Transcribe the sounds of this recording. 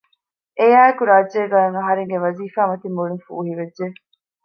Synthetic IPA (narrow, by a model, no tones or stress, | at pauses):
ʔejaːekuɾaːʒeːɡajɐŋɐɦɐɾeŋɡeʋɐziːfaːmɐt̪imːuɭiŋfṵːɦiʋedʒe